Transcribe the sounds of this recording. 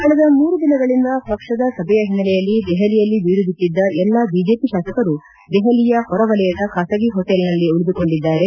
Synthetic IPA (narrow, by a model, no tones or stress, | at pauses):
kɐɭɐd̪ɐmuːɾud̪inɐɡɐɭind̪ɐpɐkʂɐd̪ɐsɐbʱɛjɐɦinːɐlɛjɐlːid̪ɛɦɐlijɐlːiʋiɾud̪it̪ːid̪ːɐʔɛlːɐbiːd͡ʒe̞ːpiʃaːsɐkɐɾu | d̪ɛɦɐlijɐhɔɾɐʋɐlɛjɐd̪ɐkʰaːsɐɡiɦoʈelnɐlːiuɭid̪uko̞ɳɖid̪ːaːɾe̞